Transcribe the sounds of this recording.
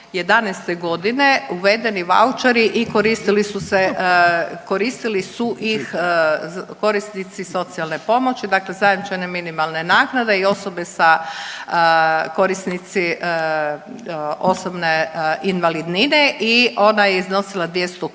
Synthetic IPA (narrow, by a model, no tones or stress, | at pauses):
je̞d̪anɛst̪e̞ɡo̞d̪ineuʋe̞d̪e̞niʋa̰ut͡ʃaɾiʔikoɾist̪ilisuse | ko̞ɾist̪ilisuʔix | ko̞ɾisnit̪siso̞t̪sialne̞po̞mo̞t͡ʃid̪akle̞zajed̪nit͡ʃeneminimalˠne̞naːknad̪e̞io̞so̞be̞sa | ko̞ɾisnit̪si | o̞sobneinʋalid̪nineʔiʔo̞najeizno̞silad̪jest̪u